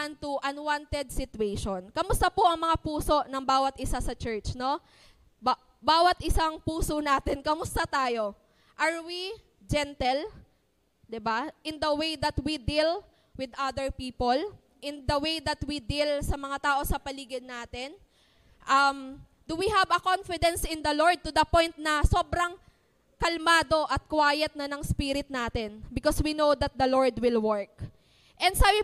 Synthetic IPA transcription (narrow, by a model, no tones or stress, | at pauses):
ant̪ʊʔɐnwant̪ɛd̪̚sɪt̪ʊejʃonkɐmʊst̪ɐpoʔɐŋmɐŋapuːso̞ʔnɐŋbaːwɐt̪ʔɪsasɐt͡ʃɛɹt͡ʃno̞ | baːwɐt̪ʔɪsaŋpuːsonaːt̪ɛnkɐmʊst̪ɐt̪aːjo̞ | ʔɐɹwi | d͡ʒɛnt̪ɛl | d̪ɪbaʔɪ̃nd̪ɐwejd̪ɐt̪wid̪il | wɪd̪ʔɐd̪ɛɹpiːpol | ʔɪ̃nd̪ɐwejd̪ɐt̪wid̪ilsɐmɐŋat̪aːʔo̞sɐpɐliːɡɪd̪ːaːt̪ɛn | ʔɐm | d̪ʊwihɐvɐkonfɪd̪ɛ̃nsɪ̃nd̪ɐloɹd̪̚t̪ʊd̪ɐpɔ̃jnt̪̚nɐsoːbɾɐŋ | kɐlmaːd̪o̞ʔɐt̪̚kwaːjɛt̪̚nɐnɐŋspiɾɪt̪̚naːt̪ɛnbɪkɔswinod̪ɐt̪̚d̪ɐloɹd̪wɪlwɔɹk̚ | ʔɛnd̪saːbɪ